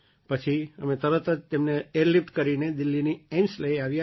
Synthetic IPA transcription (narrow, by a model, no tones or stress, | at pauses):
pət͡ʃʰiəmẽt̪əɾət̪əd͡ʒt̪emneeɾlip̚ʈkəɾined̪ɪlːiniɛmsləiaʋja